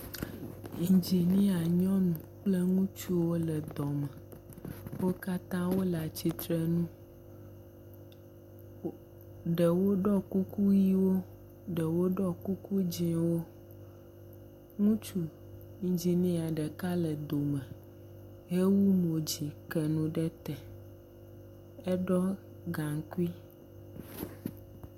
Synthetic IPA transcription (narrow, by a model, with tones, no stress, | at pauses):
ĩ˨d͡ʒi˨nĩ˦a˨ɲɔ̃˦nũ˨k͡ple˦ŋũ˦t͡ʃu˦wo˦lə˨d̪ɔ˨mɛ˨ | wo˦ka˦t̪ã˦wo˦la˨t͡ɕi˨t̪ɾə˨nũ˦ | ɖə˨wo˦ɖɔ˦ku˦ku˦ji˦wo˦ | ɖə˨wo˦ɖɔ˦ku˦ku˦d͡ʑĩ˨˦wo˦ | ŋũ˦t͡ʃu˦ | ĩ˦d͡ʒi˨nĩ˦˨a˨ɖɛ˨ka˦lɛ˨d̪o˨mɛ˨ | ɦe˦wu˦mo˨d͡ʑi˨kɛ˨nũ˨ɖɛ˦t̪ɛ˨ | ɛ˦ɖɔ˦ | ɡã˨ŋ˦ku˦i˦